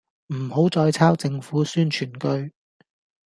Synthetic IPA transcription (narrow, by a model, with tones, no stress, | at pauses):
m̩˨˩ho˨˥wt͡sɔː˧jt͡sʰaː˥wt͡sɪ˧ŋfuː˨˥syː˥nt͡ʃʰyː˨˩nkɵ˥ɥ